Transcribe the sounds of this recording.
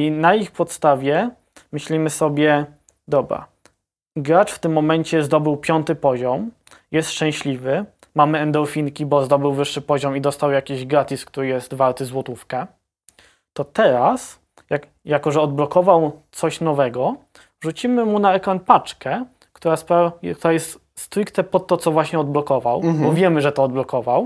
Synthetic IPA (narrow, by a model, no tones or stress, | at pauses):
inaixpɔt̪st̪avʲjɛ | mɘɕlʲimɘsɔbʲjɛ | d̪ɔbɾa̰ | ɡɾat͡ʂft̪ɘmːɔmɛɲt͡ɕɛzd̪ɔbɘwpʲjɔnt̪ɘpɔʑɔm | jɛst̪ʂt͡ʂɛ̃w̃ɕlʲivɘ | mamɘɛnd̪ɔlfʲiŋkʲibɔzd̪ɔbɘwvɘʂːɘpɔʑɔmid̪ɔst̪awjakʲiʑɡɾat̪ʲiskt̪uɾɘjɛst̪valt̪ɘzwɔt̪ufkɛ | t̪ɔt̪ɛɾas | jak | jakɔʐɛɔd̪̚blɔkɔvawt̪sɔɕnɔvɛɡɔ | ʐut͡ɕimɘmunaɛkɾanpat͡ʂkɛ | kt̪uɾaspɾak̚t̪uɾajɛst̪ | st̪ɾikt̪ɛpɔt̪ːɔt̪sɔvwaɕɲɛɔd̪̚blɔkɔvawbɔvʲjɛmɘʐɛt̪ɔːd̪̚blɔkɔvaw